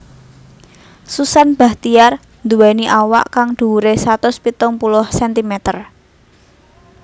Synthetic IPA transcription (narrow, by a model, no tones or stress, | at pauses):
susanb̥a̤ht̪ijar | nd̪uwɛniʔawa̰ʔkaŋd̪̥uuɾesat̪ʊspit̪ʊŋpulʊhsɛnt̪imɛt̪ər